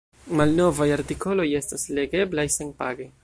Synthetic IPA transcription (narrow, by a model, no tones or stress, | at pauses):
malno̞vajaɾtiko̞lo̞je̞stasle̞ɡe̞blajsenpaɡej